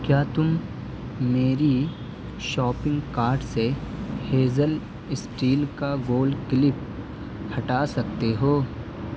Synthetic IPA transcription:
kjaːt̪ʊmː | eːɾi | ʃɔːpɪ̃ŋɡkaːɾɖseheːzəl | ɪsʈiːlkaɡoːlkɪlɪp̚ | hɐʈaːsɐk̚t̪eɦoː

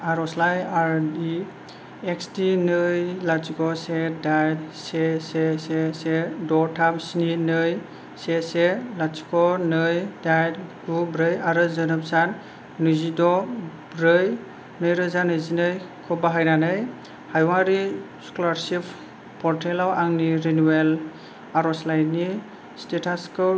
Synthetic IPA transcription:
aɾɔslajaɾdi | ekstinɯjlasikɔsedajtsesesesedɔtʰamsininɯj | seselasi̥kɔnɯjdajtɡubɾɯjaɾɯzɯnɯp̚sanː | uzidɔbɾɯj | nɯjɾɯzanɯjzinɯjkʰɔbaɦajnanɯj | hajwaɾi | skɔlaɾsipʰ | pɔɾtʰelawaŋniɾenuwel | aɾɔslajni | stetʰaskɯ

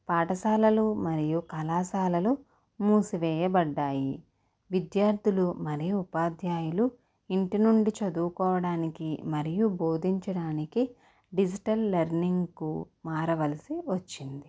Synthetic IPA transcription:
paːʈɐsaːlɐlumɐɾijukɐlaːsaːlɐlu | muːsiʋɛːjɐbɐɖːaːji | ʋid̪jaːɾd̪ʱulumɐɾijuupaːd̪ʱjaːjulu | iɳʈinuɳɖit͡ʃɐd̪uːkɔːʋɐɽaːnikimɐɾijubo̞ːd̪ʱiɲt͡ʃɐɽaːniki | ɖid͡ʒiʈɐlːɐɾniŋɡku | maːɾɐʋɐlɐsiʋɐt͡ʃːind̪i

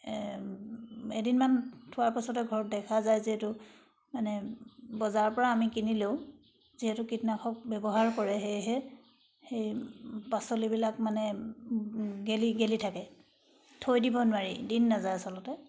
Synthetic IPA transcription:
edinmantʰʊaɹpasɔtɛɡʱɔɹɔt̚dɛkʰazajziɦɛtʊ | manɛbɔzaɹɔpɔɹaːmikinilew | ziɦɛtʊkitnakʰɔk̚bɛbɔɦaɹkɔɹɛɦejɦɛ | xejpasolibilakmanɛ | ɡeliɡelitʰakɛ | tʰojdibɔnwaɹḭdinːazajasɔlɔtɛ

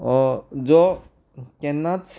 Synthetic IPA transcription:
ɔd͡ʒo | kenːat̪s

